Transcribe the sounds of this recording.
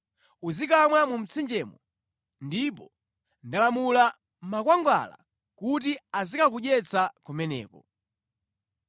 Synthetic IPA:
uzikamwamum̩t͡sʰind͡ʒɛːmɔ | ndip̬ɔ | ndalamula | makwaŋɡwa̰la̰ | kut̬iazikak̬uʄɛt͡sakumɛnɛ̰ːkɔ

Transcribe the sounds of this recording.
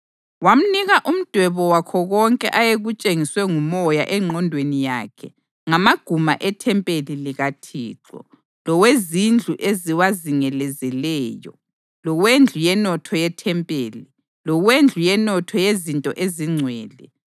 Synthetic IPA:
wam̩niɣaʔum̩d̥ʱwɛβɔwakʰɔɣɔŋkʼɛ̰ʔajeɣut͡ʃʼeŋiswɛŋumɔja̰ʔɛŋ͡ǀʱɔndʱwenija̰kʰɛ | ŋamaɡ̥ʱumaʔɛtʰɛmpʼeliliɣatʰḭːǁɔ̰ | lɔwezind͡ɮʱuʔeziwaziŋɛlɛzɛlɛːjɔ̰ | lɔwend͡ɮʱujɛnɔtʰɔjɛtʰɛmpʼeːli | lɔɣwend͡ɮʱujɛnɔtʰɔjezintʼɔʔeziŋ͡ǀʱwɛːlɛ

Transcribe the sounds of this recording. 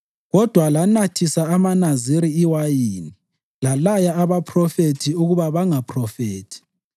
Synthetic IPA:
ɣɔd̥ʱwalanatʰisaːmanaziɾiiwajini | lalajaaβapʰrɔfetʰiuɣuβaβaŋapʰʼrɔfeːtʰi̥

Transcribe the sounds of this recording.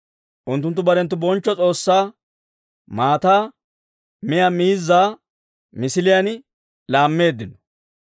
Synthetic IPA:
ʔʊnt̪ːʊnt̪ːʊbɐɾɛnt̪ːʊbɔnt͡ʃːɔt͡sʼo̞ːsːaː | maːt̪aː | mɪjamiːzːaː | mɪsɪlɪjɐn | laːmːe̞ːd̪ːɪnɔ̥

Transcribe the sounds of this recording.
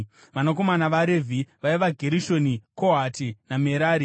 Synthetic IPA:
ʋanako̞manaʋaɾevʱiʋaiʋaɡʱe̞ɾiʃo̞nikoɦatinameɾaːɾi

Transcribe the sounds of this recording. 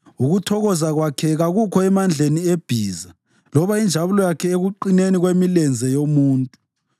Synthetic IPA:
uɣutʰɔɣɔzaɣwakʰɛɣaɣukʰɔɛmand͡ɮʱenieb̥ʱiːza | lɔβaind͡ʒʱaβulɔjakʰɛeɣuǃineniɣwemilɛnd͡zʱɛjomuːntʼu

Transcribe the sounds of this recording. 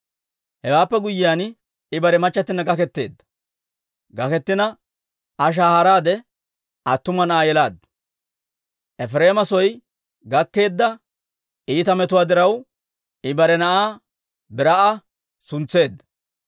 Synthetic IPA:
hɛwaːpːɛɡʊjːɪjaːn | ɪbɐɾɛmɐt͡ʃːɐt̪ːɪnːɐɡɐkɛt̪ːe̞̰ːd̪ːɐ̥ | ɡɐkɛt̪ːɪnɐ | ɐʃ̬aːhɐɾaːd̪ɛ | ɐt̪ːʊmɐnɐʔaːjɛlaːd̪ɐ̥ | ʔɛfɾe̞ːmɐsɔj | ɡɐkːe̞ːd̪ːɐ | iːt̪ɐmɛt̪ʊwaːd̪ɪɾɐw | ɪbɐɾɛnɐʔaː | bɪɾɐʔɐ | sʊnt͡sːe̞ːd̪ːɐ̥

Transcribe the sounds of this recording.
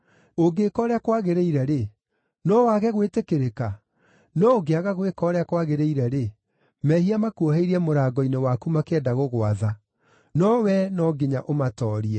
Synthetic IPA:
oɡekɔɾeakwaɣeɾeiɾɛɾe | nɔwaɣɛɣwetekeɾeka | nɔoɡeaɣaɣwekɔːɾeakwaɣeɾeiɾɛɾe | mɛhiamakuoɦeiɾiɛmoɾaːɡɔinewakumakeɛdaɣoɣwaða | nɔwɛnɔɡeɲaʔomatɔːɾiɛ

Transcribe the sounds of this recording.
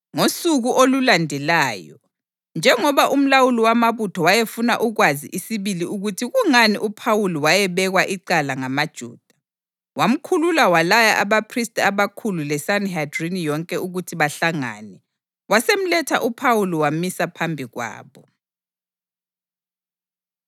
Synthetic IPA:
ŋosuɣuʔolulandʱɛlaːjɔ̰ | nd͡ʒʱɛŋɔβaʔum̩lawuliwamaβutʰɔwajefuna̰ʔuɣwazḭʔisiβiliuɣutʰiɣuŋanḭʔupʰawuliwajɛβɛɣwaʔiǃalaŋamad̥ʒ̥ʱṵːd̥ʱa | wam̩kʰululawalajaʔaβapʰristʼaβakʰululɛsanhadrinijɔŋkʼɛuɣutʰiβaɬaŋa̰ːnɛ | wasem̩lɛtʰaʔupʰawuliwamisapʰambʱiɣwa̰ːβɔ

